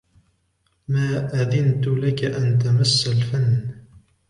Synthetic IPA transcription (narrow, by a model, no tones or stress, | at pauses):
maːʔaðɪnt̪ʊlakaʔant̪̬amasːalfanː